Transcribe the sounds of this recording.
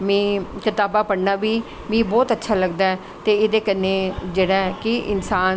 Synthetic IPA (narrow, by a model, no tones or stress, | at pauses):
mɛ̃ːkɪt̪aːbaːpəɽnaːbiː | mẽːbɔːt̪ətːʃʰaːləɡd̪aːɛː | t̪eːɪd̪eːkənːẽːd͡ʒeːɽaːɛːkɪʔɪ̰nsaː